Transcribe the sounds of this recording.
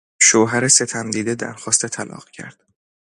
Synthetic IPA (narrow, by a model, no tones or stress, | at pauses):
ʃoɦæɾese̞t̪ʰæmd̪iːd̪ed̪æ̰ɾxɒːst̪et̪ʰælɒ̰ːɣ̥cʰæ̰ɾd̪̥